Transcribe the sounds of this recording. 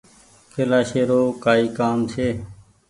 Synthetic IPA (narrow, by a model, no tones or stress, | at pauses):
kʰeːlaːʃeːɾoːkaːiːkaːmt͡ʃʰeː